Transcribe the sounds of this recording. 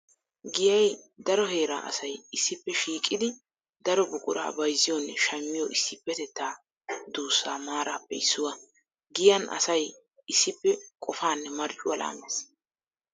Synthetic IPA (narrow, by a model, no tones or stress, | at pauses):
ɡɪjɐj | d̪ɐɾɔɦe̞ːɾa̰ːʔɐ̰sɐjɪsːɪpːɛʃiːkʼːɪd̪ɪ | d̪ɐɾɔbʊkʼʊ̰ɾa̰ːbɐjzɪjɔnʃɐmːɪjɔʔɪsːɪpːɛt̪ɛt̪ːaː | d̪uːsːaːmaːɾaːpːɛɪsːʊwɐ | ɡɪjɐnʔɐ̰sɐj | ɪsːɪpːɛkʼɔfaːnːɛmɐɾt͡ʃʼʊwɐla̰ːmes